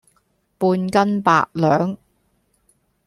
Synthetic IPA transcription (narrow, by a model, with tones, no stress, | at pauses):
puː˧nkɐ˥npa̰ː˧˨ʔ̚lœː˨˥ŋ